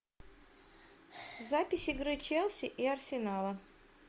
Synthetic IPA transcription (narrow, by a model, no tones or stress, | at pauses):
zapʲɪsʲɪɡɾɨt͡ɕelˠsʲɪʔiɐrsʲɪnalˠə